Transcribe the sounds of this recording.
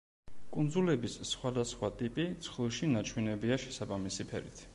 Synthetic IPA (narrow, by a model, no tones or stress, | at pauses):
kʼund̪zulɛbisːχwad̪asχwat̪ʼipʼit̪sʰχlˠuʃinat͡ʃʰwɛnɛbiaʃɛsabamisipʰɛ̰ɾḭt̪ʰ